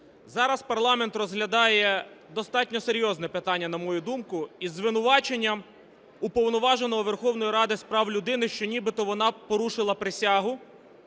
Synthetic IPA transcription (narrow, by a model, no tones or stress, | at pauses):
zɑɾɐspɐrlˠɑment̪rɔzɦlʲɐd̪ɑjɛd̪ɔst̪ɑtʲnʲɔseɾʲjɔznɛpɪt̪ɑnʲːɐnɐmɔjud̪umkʊizːʋɪnʊʋɑt͡ʃe̞nʲːɐm | upɔwnɔʋɑʒenɔɦɔʋerxɔwn̪ɔjiɾɑd̪ɪspɾɑwlʲʊd̪ɪnɪʃt͡ʃɔnʲibɪt̪ɔʋɔnɑpɔɾuʃɪlˠɐpɾɪsʲaɦʊ